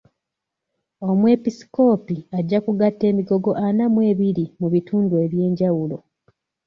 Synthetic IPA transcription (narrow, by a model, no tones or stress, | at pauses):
o̞mwe̞pisi̥ko̞ːpiaɟːakuɡatːe̞ːmiɡo̞ɡo̞ʔanamwe̞ːβiɾimuβituːndue̞βje̞ːɲɟawulo̞